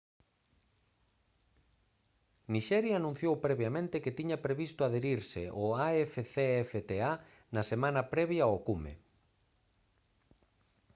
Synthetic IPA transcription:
niʃɛɾjaːnũn̟θjowpɾɛβjamẽnt̪ɪket̪iɲɐpɾeβist̪oaðeɾiɾsɪʔoaɛfeθeɛfet̪ea | nɐsemãnɐpɾɛβjaokumḛ

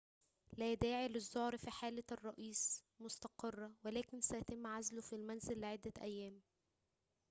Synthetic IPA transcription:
læːd̪æːʕilɪzːohɾfiːħaːlɪrˤːɑʔiːs | mʊst̪ɑqerˤːɑwælæːkɪnsæjæt̪ɪmːʕazlʊfilmænzɪlːɪʕed̪ːæʔæjːæːm

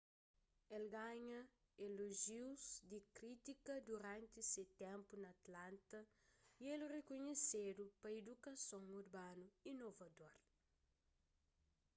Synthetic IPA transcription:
elɡaɲɐ | eloʒiwzd̪ikɾit̪ikɐd̪uɾãnt̪iset̪ɛ̃mpunɐːt̪lãnt̪ɐ | ielrekoɲesed̪upɐed̪ukɐsõŋuɾbanuinovɐd̪oɾ

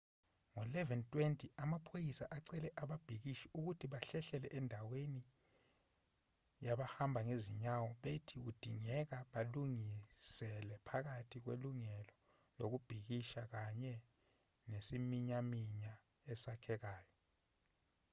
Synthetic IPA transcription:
ŋɔlɛvɛntʼwentʰʼiamapʰojisaʔaǀɛlɛʔaɓab̥ʱik̬iʃiuk̬utʰiɓaɬɛɬɛlɛʔɛndʱaweni | jaɓahambʱaŋeziɲawɔɓetʰiud̥ʱiŋɛk̬aɓaluŋisɛlɛpʰak̬atʰik̬wḛluŋɛlɔ | lok̬ub̥ʱik̬iʃak̬aɲɛ | nesimiɲamiɲa | ɛsakʰɛk̬aːjɔ

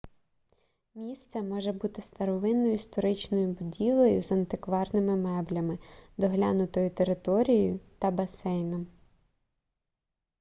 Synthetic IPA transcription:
mʲist̪sɛmɔʒɛbut̪ɪst̪ɐɾɔʋɪnːɔjʊst̪ɔɾɪt͡ʃnɔjʊbʊdʲilˠejʊzɐnt̪ɪkʋɑrnɪmɪmɛblʲɐmɪd̪ɔɦlʲanʊt̪ɔjʊt̪eɾɪt̪ɔɾʲijjʊt̪ɐbɐsɛjnɐm

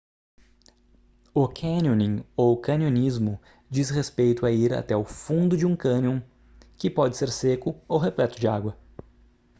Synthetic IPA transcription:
okʰɐ̃niõnĩokɐ̃nionizmʊ | d͡ʒishespejt̪ʊaiɾa̰t̪ɛʊfũnd̪ʊd͡ʒɪũkɐ̃niõw̃ | kɪpɔd͡ʒɪseɾsekʊowɦeplɛt̪ʊd͡ʒɪaɡwɐ

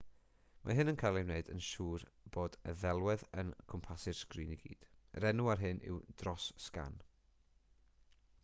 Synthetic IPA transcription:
mʔa̰ɦɨnənkʰajlˠiwneɨdənʃuːrb̥oːdəðɛlˠwɛðə̰nkʰɔmpʰasɪr̥skriːniɡ̥ḭːd̥ɾɛnuarɦɨnʔɪ̰wd̥rɔsːka̰n

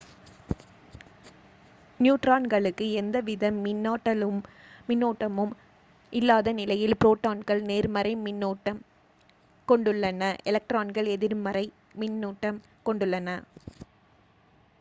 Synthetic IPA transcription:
njuːʈɾaːnɡɐɭɯkːɯɛnd̪ɐʋɪðɐmːɪnːaːʈːɐlɯmːɪnːoːʈːɐmɯm | ʔɪlːaːðɐnɪlɐjɪlpɾoːʈːaːnɡɐɭneːɾmɐɾɐɪmɪnːoːʈːɐm | kɔɳɖɯɭːɐnɐʔɛlɐk̚ʈɾaːnɡɐɭɛðɪɾmɐɾɐɪ | mɪnːuːʈːɐm | kɔɳɖɯɭːɐnɐ

